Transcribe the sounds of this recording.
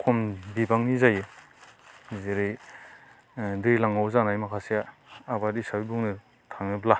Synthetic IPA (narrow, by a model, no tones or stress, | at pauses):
kʰɔmbibaŋnizaje | zeɾɯj | dɯjlaŋawzanajmakʰasijaːbadisawibuŋnɯ | tʰaŋnɯbla